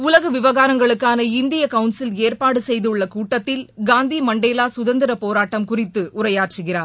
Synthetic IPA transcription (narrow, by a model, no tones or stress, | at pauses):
ʊlɐɣɐʋɪʋɐɣaːɾɐŋɡɐɭɯkːaːnɐɪnd̪ɪjɐkɐʊnsɪleːɾpaːɽɯsɛjðɯʊɭːɐkuːʈːɐt̪ːɪlɡaːnd̪imɐɳɖeːlaːsʊðɐnd̪ɪɾɐpoːɾaːʈːɐmkʊrɪt̪ːɯʔʊrɐjaːʈrɯɣɪraːɾ